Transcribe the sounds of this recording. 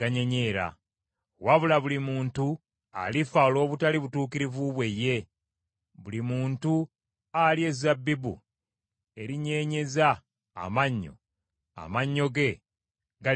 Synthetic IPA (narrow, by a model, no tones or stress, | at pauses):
aɲe̞ɲe̞ːɾa̰ | waβulaβulimuːntu | a̰lifaolo̞ːβutaliβutuːkiɾivuβwe̞jːe̞ | βulimuːntu | alje̞zabːibṵ | e̞ɾiɲe̞ːɲe̞za̰ː | maɲːo̞̰ | a̰maɲːo̞ɡe̞ | ɡa